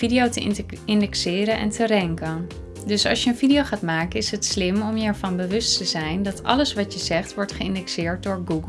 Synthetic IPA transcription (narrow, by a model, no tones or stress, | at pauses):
idijowtəɪndɛksɪːɾənʔɛ̰ntʰərɛŋkən | dɵsɑ̰lˠsjəənvidiowχaːtmaːkənɪsɦətslɪmɔmjəɛɹvɑnbəʋɵstəzɛjndɑtʰɑ̰ləsʋɑtjəzɛχtʋɔɹtχəɪndɛksɪːɹt̚dʊːɹɡuɡ